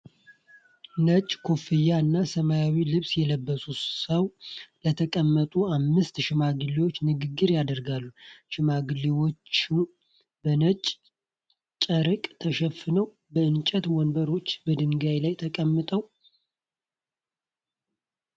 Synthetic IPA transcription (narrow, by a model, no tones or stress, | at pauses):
nət͡ʃʼkʰofɨjaɨnːasəmajawilɨβsjɛləbːəsusəwlət̪ʰəkʼəmːət̪ʼuamːɨst̪ʃɪmaɡɨlewot͡ʃːnɨɡɨɡːɨɾjad̪əɾɡalːuʃɪmaɡɨlewo̞t͡ʃːu | bənət͡ʃʼ | t͡ʃʼəɾɨkʼt̪ʰəʃəfɨnəw | bəɨnt͡ʃʼət̪wɔnbəɾo̞t͡ʃːbəd̪ɨŋɡajlajt̪ʰəkʼəmːɨt̪ʼəw